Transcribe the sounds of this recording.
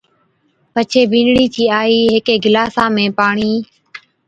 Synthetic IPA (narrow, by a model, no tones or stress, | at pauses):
pət͡ʃʰeːbʱĩːnɽiːt͡ʃʰiːaːiːɦɪkeːɡɪlaːsãːmẽːpaːɳiː